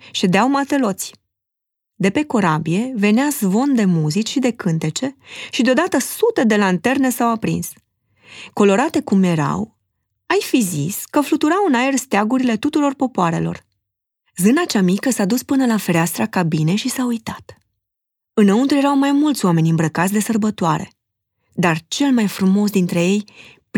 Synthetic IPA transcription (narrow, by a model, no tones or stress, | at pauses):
ʃe̞d̪eawmat̪e̞lo̞t̪sʲ | d̪e̞pe̞ko̞ɾabie̞ve̞neazvo̞nd̪e̞muzit͡ʃʃid̪e̞kɨnt̪e̞t͡ʃe̞ʃid̪eo̞d̪at̪əsut̪e̞d̪e̞lant̪e̞rnesawapɾḭns | ko̞lo̞ɾat̪e̞kumje̞ɾa̰w | ajfiziskəflut̪uɾawɨnae̞rst̪eaɡuɾile̞t̪ut̪uɾo̞rpo̞poaɾe̞̰lo̞̰r | zɨnat͡ʃamikəsad̪uspɨnəlafeɾeast̪ɾakabine̞ʃisaujt̪at̪ | ɨnəunt̪uɾje̞ɾawmajmult̪sʲwame̞nʲɨmbɾəkat̪sʲd̪e̞sərbət̪oaɾe̞̰ | d̪art͡ʃe̞lmajfɾumo̞s̬d̪int̪ɾe̞je̞j | p